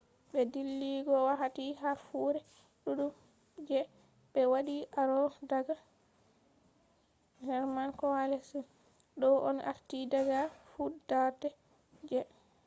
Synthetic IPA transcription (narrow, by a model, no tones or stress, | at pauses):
ɓɛdilːiɡɔwaɦatiɦafuɾɛ | ɗuɗum | d͡ʒɛ | ɓɛwaɗiʔaɾɔdaɡa | hɛɾmankɔwalɛsun | ɗɔʔɔ̰nʔa̰ɾtidaɡafudaɾdɛ | d͡ʒɛ